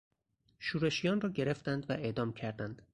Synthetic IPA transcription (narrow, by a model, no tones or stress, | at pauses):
ʃuːɾe̞ʃijɒːnrɒːɟe̞ɾe̞ft̪ænd̪væʔe̞ʔd̪ɒːmcʰæɾd̪ænd̪̥